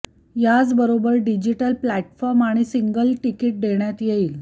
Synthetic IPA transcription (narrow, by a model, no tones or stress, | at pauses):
jad͡zbəɾobəɾɖid͡ʑiʈəlplæʈfɔɾmaɽ̃isiŋɡəlʈikiʈ̚d̪eɳjat̪jeiːl